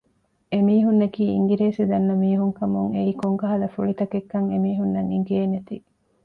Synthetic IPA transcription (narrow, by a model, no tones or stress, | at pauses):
emiːɦunːɐkiːḭŋɡiɾeːsid̪ɐnːɐmiːɦuŋkɐmuŋeikoŋɡɐɦɐlɐfuɭit̪ɐkekːɐŋemiːɦunːɐŋiŋɡeenːet̪i